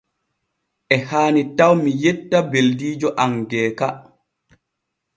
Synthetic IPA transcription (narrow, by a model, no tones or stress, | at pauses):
ʔɛhaːnitawmijɛtːabeldiːd͡ʒɔʔaŋɡɛːka